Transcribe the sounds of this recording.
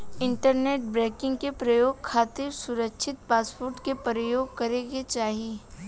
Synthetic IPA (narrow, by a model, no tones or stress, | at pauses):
ɪ̃ɳʈəɾneːʈ̚bɾɛːkɪ̃ŋɡkepɾɐjoːɡ̚kʰaːt̪ɪɾsʊɾəkʃʰɪt̪̚paːspoːɾʈkepɾəjoːɡ̚kɐɾeːɡet͡ʃaːɦie